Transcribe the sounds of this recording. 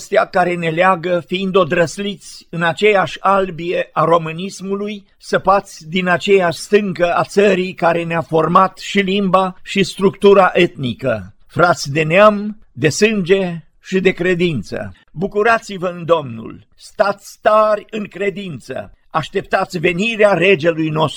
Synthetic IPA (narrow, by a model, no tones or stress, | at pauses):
st̪eakaɾe̞ne̞leaɡəfiind̪o̞d̪ɾəslit̪sʲɨnat͡ʃe̞jaʃʲalbije̞ʔaɾo̞mɨnismuluj | səpat̪sʲd̪inat͡ʃe̞jaʃʲst̪ɨŋkəat̪səɾikaɾe̞neafo̞rmat̪ʃilimbaʃist̪ɾukt̪uɾaʔe̞t̪nikə | fɾat̪sʲd̪e̞neamd̪e̞sɨnd͡ʒe̞ | ʃid̪e̞kɾe̞d̪int̪sə̰ | bukuɾat̪sivəɨnd̪o̞mnṵl | st̪at̪sʲt̪arʲɨŋkɾe̞d̪int̪sə̰ | aʃt̪e̞p̚t̪at̪sʲve̞niɾeaɾe̞d͡ʒelujno̞st̪